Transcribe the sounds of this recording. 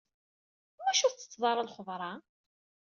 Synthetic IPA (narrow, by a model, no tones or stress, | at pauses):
mæʃʊɾt͡sːə̥t͡sːðˤɑɾˤɑlχəðˤɾˤɑ